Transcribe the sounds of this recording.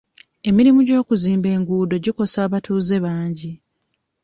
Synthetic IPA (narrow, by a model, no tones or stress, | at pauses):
e̞miɾimuɟo̞ːkuziːmbe̞ːŋɡuːdo̞ɟiko̞saːβatuːze̞βaːɲɟi